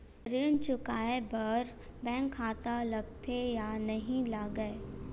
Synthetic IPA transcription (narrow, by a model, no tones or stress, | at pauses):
ɾɪɳt͡ʃʊkaːebɐɾ | bɛ̃ːŋkʰːaːt̪alɐɡ̚t̪ʰejanɐɦĩlaːɡəe